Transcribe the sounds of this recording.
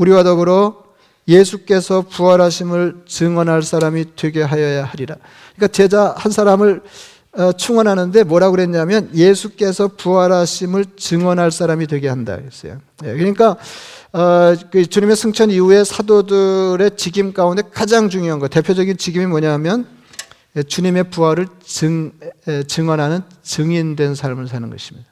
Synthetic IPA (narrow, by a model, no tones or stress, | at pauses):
uɾiwadʌɡɯɾo | je̞sʰuk͈e̞sʰʌpuaɾɦaɕʰimɯɭt͡ɕɯŋwʌnɦaɭs͈aɾamitwe̞ɡe̞ɦajʌjahaɾiɾa | kɯɲik͈at͡ɕe̞d͡ʑahansʰaɾamɯɭ | ʌt͡ɕʰuŋwʌnɦanɯnde̞mwʌɾaɡɯɾe̞nɲamjʌnjesʰuk͈e̞sʰʌpuaɾɦaɕʰimɯɭt͡ɕɯŋʌnɦaɭs͈aɾamidwe̞ɡe̞ɦanda̰es͈ʌ̰jo̰ | je̞̰kɯɾɲik͈a | kɯt͡ɕuɲime̞sʰɯŋt͡ɕʰʌniue̞sʰadodɯɾe̞t͡ɕiɡimk͈aunde̞kad͡ʑaŋt͡ɕuŋjoɦanŋɡʌte̞pʰjod͡ʑʌɡint͡ɕiɡimimwʌɲaɦmjʌn | et͡ɕuɲime̞puaɾɯɭt͡ɕɯ | t͡ɕɯŋwʌnɦanɯnt͡ɕɯŋindwe̞nsʰaɭmɯɭs̬ʰanɯ̰nɡʌ̰ɕʰi̥mɲid̥a